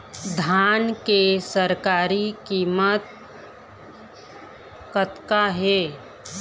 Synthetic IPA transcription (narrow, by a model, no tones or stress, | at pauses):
d̪ʱaːnkesəɾkaːɾikiːmət̪̚ | kət̪kaɦeː